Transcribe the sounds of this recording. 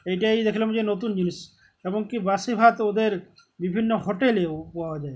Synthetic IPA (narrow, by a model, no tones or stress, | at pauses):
ejʈajd̪ekʰilomd͡ʑenot̪und͡ʑinis | eboŋkibasibʱat̪od̪eɾ | bibʱinːoɦoʈeleupad͡ʒa